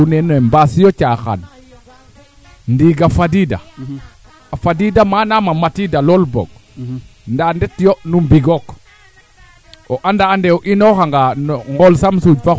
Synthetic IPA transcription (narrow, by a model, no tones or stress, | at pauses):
unenembasijot͡ʃaxa̰n | ndiːɡafadida̰ | afadidamanamamatidalolbo̰ɡ̚ | ndandetjonumbiɡok | oʔandaːndeoʔinoxaŋɡanŋɡolsamsud͡ʒfa